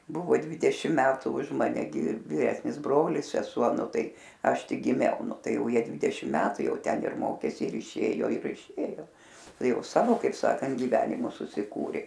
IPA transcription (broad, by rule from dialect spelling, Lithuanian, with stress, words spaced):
ˈbʊʋoː ˈdʲʋʲɪdʲɛʃʲɪm ˈmʲæːtʊ ʊʃ ˈmɑːnʲɛ ɡʲɪ ʋʲɪˈrʲæːsʲnʲɪs ˈbroːlʲɪs sʲɛˈsuɔ ˈnʊ ˈtɐɪ ˈɐʃ ˈtʲɪk ɡʲɪˈmʲɛʊ ˈnʊ ˈtɐɪ ˈjɛʊ ˈjiɛ ˈdʲʋʲɪdʲɛʃʲɪm ˈmʲæːtʊ ˈjɛʊ ˈtʲɛn ɪr ˈmoːkʲeːs ɪr ɪˈʃʲeːjoː ɪr ɪˈʃʲeːjoː ˈtɐɪ ˈjɛʊ ˈsɑːʋoː kɐɪp ˈsɑːkɐnt ɡʲɪˈʋʲæːnʲɪmʊs sʊsʲɪˈkuːrʲeː